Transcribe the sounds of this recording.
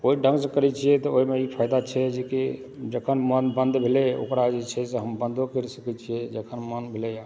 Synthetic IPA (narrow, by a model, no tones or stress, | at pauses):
oɦiɖʱə̃ŋɡsekəɾɛt͡ʃʰijɛt̪ɔoɦimeipʰaɪd̪at͡ʃʰɛd͡ʒeki | d͡ʒəkʰənmənbə̃nd̪bʱeleo̰kɾad͡ʒet͡ʃʰɛseɦəmbənd̪ʱokeɾsəkɛt͡ʃʰijɛd͡ʒəkʰənmənbʱelɛja